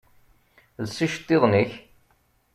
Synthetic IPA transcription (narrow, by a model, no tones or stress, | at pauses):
lsiʃt̪ˤːiðˤniç